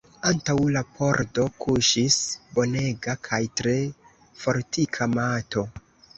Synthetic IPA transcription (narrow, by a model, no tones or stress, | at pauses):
antawlapʰo̞ɾdo̞kʰuʃisbo̞ne̞ɡakʰajtɾe̞ | fo̞ɾtikʰamato̞